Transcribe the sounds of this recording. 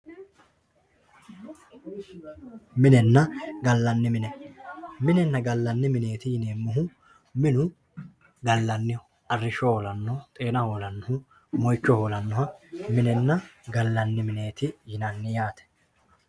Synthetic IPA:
mɪnɛnːɐɡɐlːɐnːɪmɪnɛmɪnɛnːɐɡɐlːɐnːɪmɪne̞ːt̪ɪjɪneːmːʊɦʊ | mɪnʊ | ɡɐlːɐnːɪjɔ | ʔɐrːɪʃɔolɐnːɔt̪ʼe̞ːnɐhoːlɐnːʊhʊ | mɔjt͡ʃːɔhoːlɐnːɔɦɐmɪnɛnːɐɡɐlːɐnːɪmɪne̞ːt̪ɪjɪnɐnːɪjaːt̪ɛ̥

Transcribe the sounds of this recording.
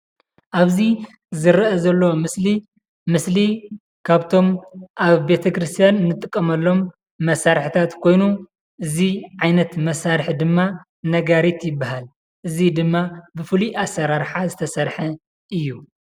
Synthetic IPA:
ʔaβzi | zɨɾʔɐzɐlːomɨsli | mɨsli | kʰaβt̪ʰo̞mʔaβbe̞t̪ʰɐkɾɨst̪ʰijannɨt̪ʼːɨkʼːɐmɐlːo̞mː | ɐsaɾħit̪ʰat̪kʰo̞jnu | ʔɨziʕajnɐt̪mɐsaɾħd̪ɨmːa | nɐɡaɾit̪jɪbːaɦal | ʔɨzid̪ɨmːabɨfɨliʔasːɐɾaɾħazɨt̪ʰɐsɐɾħɐ | ɨjːu

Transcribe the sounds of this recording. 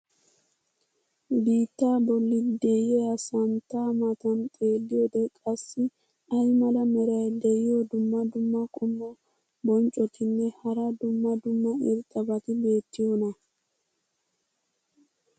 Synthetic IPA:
biːt̪ːaːbɔlːɪd̪ɛjɛɐsɐnt̪ːaːmɐt̪ɐnt̪ʼe̞ːlːɪjod̪ɛkʼɐsːɪ | ɐjmɐlɐmɛɾɐjd̪ɛjɪjod̪ʊmːɐd̪ʊmːɐkʼʊmːɔ | bɔnt͡ʃʼːɔt̪ʰɪnːɛhɐɾɐd̪ʊmːɐd̪ʊmːɐɪɾt̪ʼːɐbɐt̪ɪbe̞ːt̪ːɪjonɐ

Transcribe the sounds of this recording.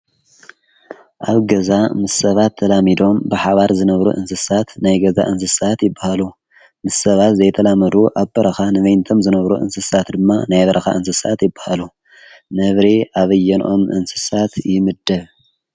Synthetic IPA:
ʔaβɡɐzamɨsːɐβat̪ʰːɐlamid̪o̞mbɨħaβaɾzɨnɐβɾṵʔɨnsɨsat̪najɡɐza̰ʔɨns̬ɨsat̪jɪbːahalu | mɨsːɐβat̪zɐjt̪ʰɐlamɐd̪uʔaβbɐɾɐxanɨβɐjnt̪ʰo̞mzɨnɐβɾṵʔɨ̰nsɨsat̪d̪ɨmːanajβɐɾɐxa̰ʔɨnsɨsat̪jɪbːahalu | nɐβɾiʔaβɐjːɛnʔo̞mʔɨ̰nsɨ̥sat̪jɪmɨd̪ːɐβ

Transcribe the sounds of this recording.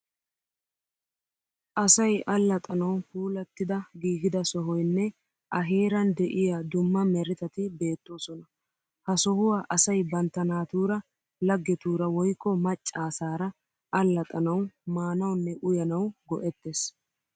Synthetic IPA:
ʔɐsɐjʔɐlːɐt̪ʼɐnɐwfuːlɐt̪ːɪd̪ɐɡiːɡɪd̪ɐsɔɦɔjnːɛ | ʔɐɦeːɾɐnd̪ɛʔɪjad̪ʊmːɐmɛɾɪt̪ɐt̪ɪbe̞ːt̪ːo̞ːsɔnɐ | hɐsɔhʊwaːʔɐsɐjbɐnt̪ːɐnaːt̪uːɾɐ | lɐɡːɛt̪uːɾɐwɔjkːɔmɐt͡ʃʼːaːsaːɾɐ | ʔɐlːɐt̪ʼɐnɐwmaːnɐwnːɛʔʊjɐnɐwɡɔʔɛt̪ːes

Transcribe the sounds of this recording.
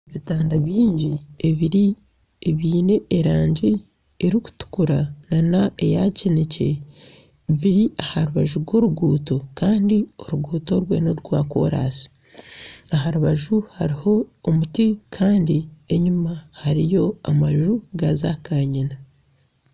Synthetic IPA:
eβitaːndaβjiːɲɟieβiɾi | eβiːne̞ːɾaːɲɟi | eɾiku̥tu̥kuɾananae̞jacenece̞̰ | βiɾiahaɾuβaʒuɾɡwo̞ɾuɡuːto̞kaːndio̞ɾuɡuːto̞ɾwḛːnoɾuɡwaːko̞̰ːɾa̰ːsi̥ | aɦaɾuβaʒuhaɾiho̞ːmutikʰaːndie̞ɲumahaɾijo̞amaʒuɡazakaːɲina

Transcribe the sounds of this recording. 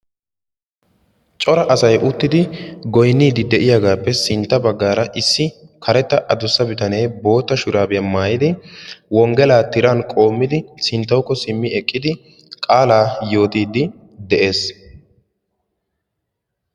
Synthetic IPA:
t͡ʃʼɔɾɐʔɐsɐjʔʊt̪ːɪd̪ɪɡɔjnːiːd̪ɪd̪ɛʔɪjaːɡaːpːɛsɪnt̪ːɐbɐɡːaːɾɐʔɪsːɪkʰɐɾɛt̪ːɐʔɐd̪ʊsːɐbɪt̪ɐne̞ːbo̞ːt̪ːɐʃʊɾaːbɪjɐmaːjɪd̪ɪwɔŋɡɛlaːt̪ɪɾankʼo̞ːmːɪd̪ɪsɪnt̪ːɐwkːɔsɪmːɪɛkʼːɪd̪ɪ | kʼaːlaːjo̞ːt̪iːd̪ɪ | d̪ɛʔe̞ːs

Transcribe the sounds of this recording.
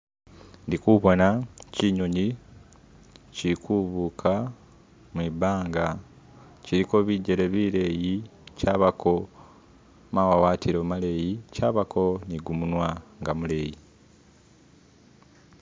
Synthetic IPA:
ndikuβo̞naciɲo̞ɲi | ciɾikuβukʰa | mwiːbaːŋɡa | ciɾiko̞βiːɟeɾeβiːɾe̞ːjicaːβakʰo̞ | mawawaːtiɾoːmale̞ːjicaːβakʰo̞niɡumunwaŋɡamuleːji

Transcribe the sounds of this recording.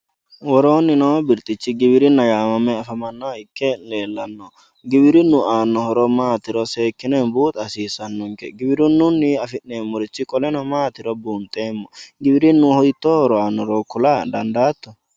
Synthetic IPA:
wɔɾoːnːɪnoːbɪɾt̪ʼɪt͡ʃːɪɡɪbɪɾɪnːɐɡaːmɐmːɛɐfɐmɐnːɔɪkːeleːlːɐnːɔ | ɡɪbɪɾɪnːʊaːnːɔhɔɾɔmaːt̪ɪɾɔseːkːɪneːnbuːt̪ʼɐsiːsɐnːʊŋkɛ̰ɡɪbɪɾʊnːʊnːɪɐfɪʔːeːmːʊɾɪt͡ʃːɪkʼɔlɛnɔmaːt̪ɪɾɔbuːnt̪ʼeːmːɔɡɪbɪɾɪnːʊhɔjt̪ːohɔɾɔaːnːɔɾoːkːʊlaːd̪ɐnd̪aːt̪ːɔ̥

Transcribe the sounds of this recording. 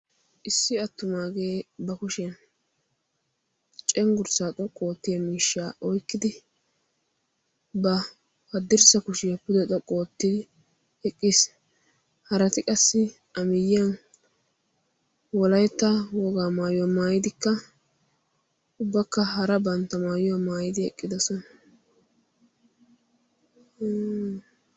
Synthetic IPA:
ʔɪsːɪɐt̪ːʊmaːɡeːbɐkʊʃn | t͡ʃʼɛŋɡʊɾsaːt̪ʼɔkʼːo̞ːt̪ːɪjɐmiːʃːaːʔɔjkːɪd̪ɪ | bɐ | hɐd̪ːɪɾsɐkʊʃɪjɐpʊd̪ɛt̪ʼɔkʼːoːt̪ːɪd̪ɪ | ɛkʼːɪs | hɐɾɐt̪ɪkʼɐsːɪ | ɐmɪjːɪjɐn | wɔlɐjɛt̪ːɐwɔɡaːmaːjʊwmaːjɪd̪ɪkːɐ | ʊbːɐkːɐɦɐɾɐbɐnt̪ːɐmaːjʊwamaːjɪd̪ɪɛ̰kʼːɪd̪ɐsɔnɐ

